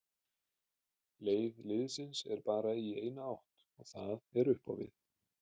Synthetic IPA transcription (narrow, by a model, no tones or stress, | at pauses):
leːjvlɪðsɪnsɛɾpaːɾaiejnaawht̪ | ɔɣθaðɛɾʏhpa̰wvɪ̰θ